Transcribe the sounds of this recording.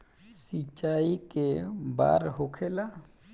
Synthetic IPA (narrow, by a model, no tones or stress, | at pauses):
sit͡ʃaːikeba̰ːɾɦokʰela